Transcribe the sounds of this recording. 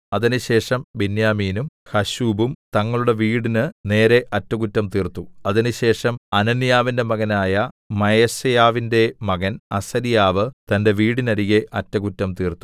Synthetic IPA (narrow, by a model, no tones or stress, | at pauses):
ɐðinɨɕe̞ːʂɐmbinjaːmiːnumhɐɕuːbumt̪ɐŋːɐɭuɽe̞ʋiːɽinɨne̞ːɾe̞ʔɐtːɐɣutːɐmt̪iːrt̪ːuɐðinɨɕe̞ːʂɐmɐnɐnijaːʋinde̞mɐɣɐnaːjɐ | mɐjɐsɐjaːʋinde̞mɐɣɐnɐsɐɾijaːʋɨt̪ɐnde̞ʋiːɽinɐɾiɣe̞ʔɐtːɐɣutːɐmt̪iːrt̪ːu̥